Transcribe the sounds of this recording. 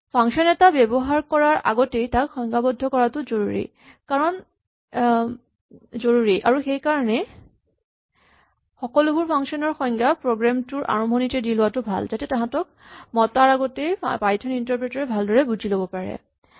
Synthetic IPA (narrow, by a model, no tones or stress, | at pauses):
pʰaŋʃɔnɛtabɛbɔɦaɹkɔɹaɹʔa̰ɡɔtejtakxɔŋɡabɔdʱːɔkɔɹatʊzoɹuɹḭ | kaɹɔn | zoɹuɹiʔaɹuxejkaɹɔnɛ | xɔkɔlʊbuɹpʰaŋʃɔnɔɹxɔjŋɡapɹoɡɹamtʊɹʔa̰ɹɔmbʱɔnitɛdilʊwatʊbʱa̰lzatɛtãɦãtɔk̚mɔtaɹaɡɔtejpajtʰɔnintɔɹpɹɛtɔɹɛbʱaldɔɹɛbud͡ʑʱilobɔpaɹɛ̰